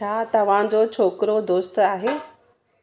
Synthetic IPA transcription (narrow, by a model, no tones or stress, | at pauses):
aːt̪ɐʋ̤ãd͡ʑot͡ɕʰoːkɾod̪oːst̪aːɦeː